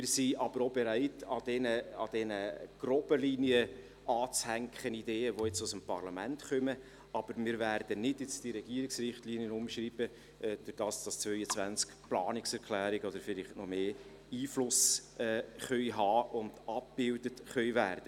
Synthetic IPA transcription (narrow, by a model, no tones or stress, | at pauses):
mɪːsiʔɑb̥əɾobeɾæɪtɑdɛnəɑ̰d̥ɛnəɡ̥rɔbəliːniə | ʔɑːt͡shæŋkχənideːəʋoɪt͡sʊsəmpɑrlɑmæntχœmə | ɑb̥əɾmɪɾvæːɾd̥ənɪdjɪt͡sd̥iɾɛɡiəɾɪksrɪχtliːnjənʊmʃɾiːb̥ə | ʔɛd̥ʊɾd̥ɑːsd̥ɑst͡svœʏət͡sʋænt͡skplɑ̰ːnɪksɛɾklæːɾiɡɔdəɾfɪlɪχtnɔmeː | iːflʊsɛːχœʏɦɑːʊndɑp̚b̥ɪldətχœɥvæːrd̥ə